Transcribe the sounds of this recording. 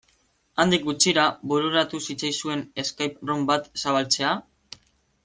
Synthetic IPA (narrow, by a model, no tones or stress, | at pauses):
and̪ik̚ɡut͡siɾabuɾuɾat̪usit͡sajsue̞ne̞skajprombat̪saβalt͡se̞a